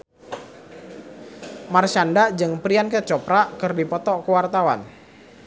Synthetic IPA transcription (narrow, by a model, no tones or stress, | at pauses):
marʃandaʔd͡ʒɨŋpɾiankət͡ʃɔpɾaʔkərdipɔt̪ɔkəwart̪awa̰n